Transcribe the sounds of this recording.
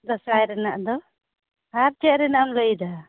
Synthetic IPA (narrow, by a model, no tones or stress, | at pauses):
d̪ɔsajɾɛnaʔd̪ɔ | aɾt͡ʃɛʔɾɛnaʔamləjd̪a